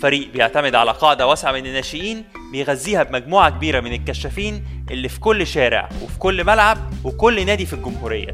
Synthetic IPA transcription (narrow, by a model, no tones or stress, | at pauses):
fæɾiːʔbejeʕt̪æmed̪ʕalæqɑːʕd̪æwæsʕamenenːæːʃejiːn | bejɣæzːiːhæbemæɡmuːʕakebiːɾæmenelkæʃːæfiːnʔelːifi̥kolːʃæːɾḛʕwefi̥kolːmælʕab̚wekolːnæːd̪ifilɡʊmhuːɾḛjːæ̰